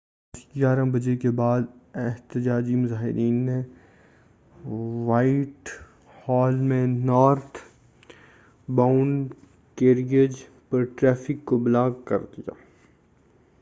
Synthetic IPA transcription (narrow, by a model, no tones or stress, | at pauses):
sd͡ʒaːɾãbɐd͡ʒekebaːd̪ɛɦt̪ɪd͡ʒaːd͡ʒimʊzaːɦɪ̰ɾʔiːnːe | ʋaːɪʈ | hɔːlmẽnɔːɾt̪ʰ | baːʊɳɖ | keːɾiəd͡ʒ | pɐɾʈɾɛːfɪkːoblaːɡkɐ̰ɾd̪ija̰ː